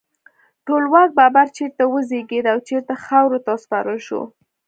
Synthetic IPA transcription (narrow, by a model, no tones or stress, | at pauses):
ʈolwak̚babaɾt͡ʃeɾt̪awəzeɡed̪awt͡ʃeɾt̪axawɾot̪aspɑɾəlʃo̰